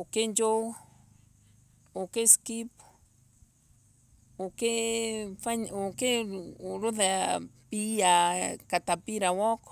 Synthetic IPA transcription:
okend͡ʒo | okeskip | okefaɲokeɾuðapiakat̪apiɾawɔk

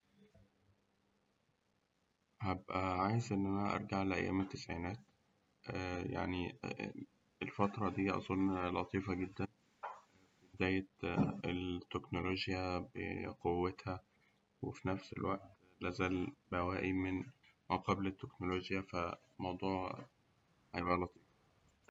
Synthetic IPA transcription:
hæbʔæʕaːjezʔenːʔænænæʔɑ̰ɾˤɡaʕalæʔæ̰jːæ̰ːmet̪ːesʕiːnæːt̪ː | ja̰ʕni | elfɑt̪ɾˤɑd̪iːʔɑ̰sˤolnlɑt̪ˤiːfɑɡed̪ːæn | bed̪æːjet̪elt̪ːeknoloːʒjæbḛqowːet̪hæ | wḛfinæfsḛlwæʔt̪ | læːzæːlbæwæːʔimenmæqɑblet̪ːeknoloʒjæfæ | mɑwd̪ˤuːʕ | hæjebʔælɑt̪ˤʰiːf

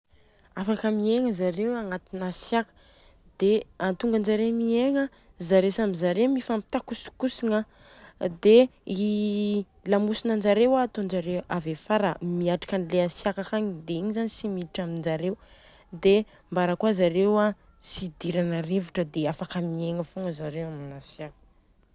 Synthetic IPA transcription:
afakəmieŋəzaɾewaŋat̪inasjakə̥ | d̪̥eant̪uŋɡand͡ʒaɾemieŋə | zaɾewsamizaɾewmifampi̥t̪akusu̥kusiŋə | d̪ei | lamusinand͡ʒaɾewaːt̪ond͡ʒaɾewavefaɾə̰miaʈ͡ʂḁkanileasjakakaɲid̪eiɲizanisimiiʈ͡ʂamind͡ʒaɾew | d̪e | mbaɾəkwazaɾewa | st͡sid̪iɾanaɾevuʈ͡ʂəd̪eafakəmieŋəfuŋɡəzaɾewaminasjakə̥

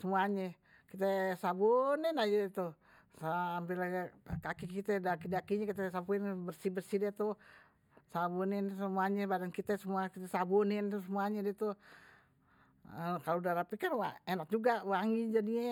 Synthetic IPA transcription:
səmuaɲɛ | kit̪ɛsaboninad͡ʒɛt̪u | sampilkakikit̪ɛdakidakiɲakit̪ɛsabuinbərsibərsidat̪u | sabuninsəmuaɲɛbadankit̪ɛsəmuakit̪ɛsabonɪnt̪usəmuaɲɛdit̪u | kalodaɾapikanwaenak̚d͡ʒuɡawaŋid͡ʒadiɛ

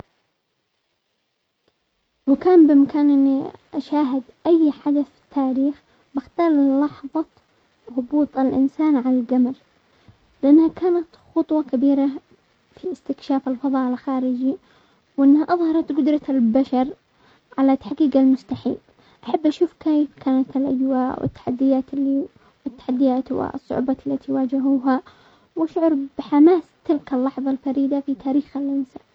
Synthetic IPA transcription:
wɪkaːmbɪmakaːnʔɪnːiʔaʃaːɦɪd̪ʔajːħad̪aθt̪ʰːaːɾiːx | bɪxt̪aːlˤlɑħðˤɑ | ɣʊbuːt̪ˤalʔɪ̰nsaːnʕalalɡamal | lɪʔanːhakaːnat̪xʊt̪ˤwɑkabiːɾa | fiɪst̪ɪkʃaːfalfɑðˤɑːʔɪlxaːɾɪd͡ʒi | wʔɪnːhaʔɑðˤhɑɾˤɑt̪ɡʊd̪ɾˤɑlbaʃɑɾˤ | ʕalat̪ːaħɡiːɡalmʊst̪aħḭːl | ʔaħabːʔaʃuːfkeːjfkʰaːnat̪ɪlʔa̰d͡ʒwaːʔwʔɪ̰t̪ːḁħad̪ːɪjaːt̪ɪlːi | wɪt̪ːḁħad̪ːɪjaːt̪wɪ̰sˤːʊ̰ʕbɑlːat̪iwaːd͡ʒɪɦuːɦa | wʔaʃʕʊɾˤbɪħamaːst̪ɪlkalːɑħðˤɑlfaɾiːd̪afit̪ʰaːɾiːxalʔɪnsaːn

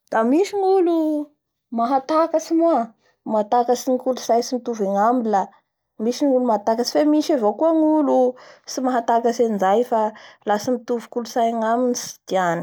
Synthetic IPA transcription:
d̪̥amiʃiŋulu | maɦat̪akəsimua | mat̪akəsiŋikulusajsimit̪uveŋambila | miʃinulumat̪akəsi̥femiʃavokuəŋulusimaɦat̪akəsend͡ʒajfalasimit̪uvukulusajaŋaminisi̥d̪̥ianə̥

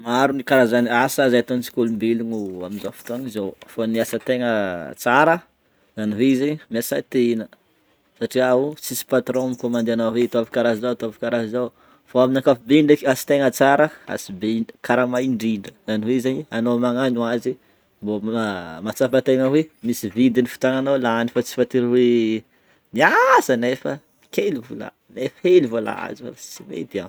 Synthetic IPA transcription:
maɾunikaɾazanasazaat̪onit͡si̥kulumbeliɲua̰minzafi̥t̪oaŋizowfoniasət̪eŋət͡saɾə | zaniɦeizeɲmiasa̰t̪enə | saʈ͡ʂiaut͡sisi̥pat̪ɾõmikomand̪eanawet̪oavi̥kaɾazizawt̪oavikaɾazizaw | foaminakafibeiɳɖ͡ʐakasi̥t̪eŋət͡saɾəa̰sibekʰaɾamajɳɖ͡ʐiɳɖ͡ʐəaniwezaɲianomaŋaɲuazi | mbomat͡safət̪eŋəwemisivid̪inifi̥t̪aŋanawlaanifat͡si̥fant̪iɾiwe | niazənefə | kelivula̰ | nefəhelivola̰a̰ziva̰lat͡simḛd̪ia̰n

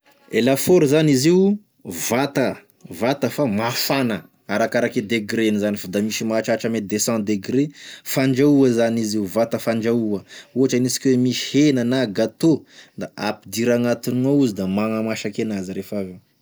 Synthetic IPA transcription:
elafoɾzaniziu | vat̪ə | vat̪əfamafanə | aɾakaɾaked̪eɡɾenizanifad̪amisimaʈ͡ʂaʈ͡ʂamed̪esɑ̃d̪eɡɾefaɳd͡ʒauəzaniziuvat̪əfaɳd͡ʒauəuɦaʈ͡ʂanisi̥kʲiwemiʃi̥henənaɡat̪od̪aʔapid̪iɾaŋat̪ininouzid̪amaŋəmaʃakenazɾefave

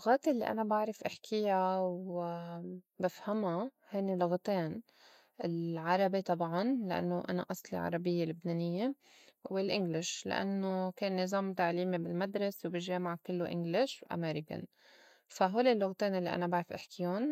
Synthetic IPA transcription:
lʊɣaːt̪ʔɪlːḭʔa̰nabaʕɾˤɪfʔɪħkʰɪjaw | bafhama | heːnilʊɣt̪eːn | ʔɪlʕɑɾˤɑbit̪ˤɑbʕɑnlaʔa̰nːoʔana̰ʔɑsˤlḭʕɑ̰ɾˤɑbɪjːelʊbneːnɪjːe | wɪlʔɪŋɡlɪʃla̰ʔa̰nːokeːnːɪzˤɑːmt̪aʕliːmibɪlmad̪ɾˤɑswbɪʒeːmaʕkɪlːoʔɪ̰ŋɡlɪʃwʔa̰meːɾɪka̰n | faɦoːlilːʊɣt̪eːnʔɪlːiʔa̰nabaʕɾɪfʔɪħkɪjon

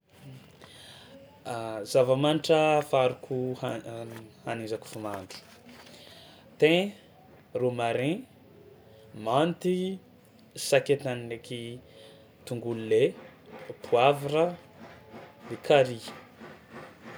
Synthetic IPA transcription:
zavamaniʈ͡ʂəfaɾukʰuh | hanizaku̥fumand̪u̥ | t̪ẽ | rumaɾẽ | mant̪i | saket̪anileki | t̪uŋɡulule | pʰuaviɾa | lekʰaɾi

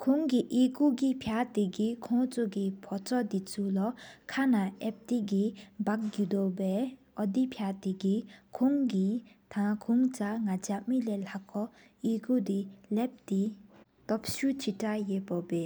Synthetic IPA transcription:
kʰoŋɡiʔikuɡipʰjat̪iɡikʰɔ̃ŋt͡sʰoɡipʰɔt͡sɔd̪it͡sʰulɔkʰanaʔɛp̚t̪iɡibak̚ɡud̪ɔbɛʔɔd̪ipʰjat̪iɡikʰoŋɡi | t̪ʰãkʰuŋt͡saŋad͡ʑaʔ̚milelakʰɔ | ikud̪ilɛp̚d̪it̪ɔp̚ɕut͡ɕʰitajeʔpɔbe

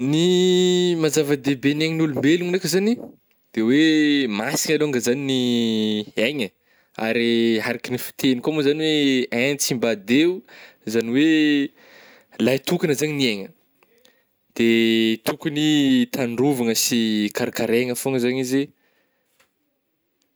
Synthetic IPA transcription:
ni | mazavəd̪ebeneɲinulumbeluŋnekəzani | d̪̥ewemasi̥ɲaloaŋɡəzanini | eɲə | a̰ɾiɦaɾakinifi̥t̪ʰenikomuzaniweɛ̃nt͡simbad̪eu | zaniwe | lajt̪ukanəzaɲinieɲə | d̪̥et̪ukunit̪ʰanruvaŋəsikaɾakaɾeŋəfoŋəzaɲize

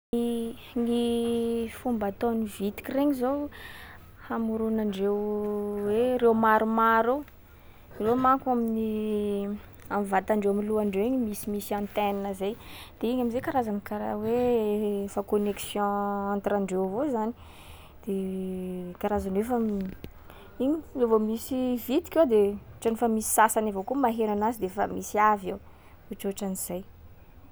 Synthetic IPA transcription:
i | ŋi | fumbat̪onivit̪i̥kʲireɲizow | hamuɾunaɳɖ͡ʐewweɾewmaɾumaɾo | iromaŋkamini | amivat̪aɳɖ͡ʐewamiluaɳɖ͡ʐewiɲimisimisiãnt̪ɛninəzejd̪̥eiɲamizekaɾazanikaɾa̰we | fakoneksjɔ̃ãnt̪ɾaɳɖ͡ʐewvozani̥ | d̪̥e | kaɾazanefə | iɲilevomisivit̪i̥kʲewd̪eʈ͡ʂanefamisi̥sasanavokumaɦeɾanazid̪efə̰misiavew | uʈ͡ʂoʈ͡ʂaniz̥aj

